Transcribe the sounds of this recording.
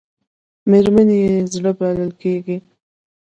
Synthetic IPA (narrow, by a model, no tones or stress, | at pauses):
meɾmanjezɽəbaləlkeɡi